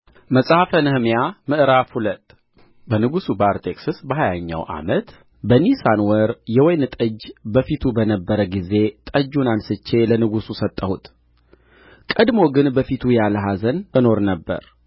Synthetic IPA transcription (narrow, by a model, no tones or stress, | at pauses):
məsʼhafənɨhmjamɨʔɾafhulət̪ʼ | bənɨɡusubaɾt̪ʰʼeksɨsbəɦajaɲːa̰wʔa̰mət̪ | bənisanwəɾjɛwɔjnɨt̪ʼəd͡ʒːbəfit̪ʰubənəbːəɾəɡize̞t̪ʼəd͡ʒːunansɨt͡ʃːe̞lənɨɡususət̪ʼːəhut̪ | kʼəd̪mo̞ɡɨnbəfit̪ʰujaləɦazənbəno̞ɾnəbːə̰ɾ